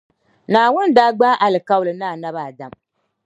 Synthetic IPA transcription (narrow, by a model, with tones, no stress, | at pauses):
naː˨wʊ˦ndaː˦ɡ͡ba˦ʔa˨lɨ˨ka˦wʊ˨lɨ˨naː˦˨na˦βa˨da˦m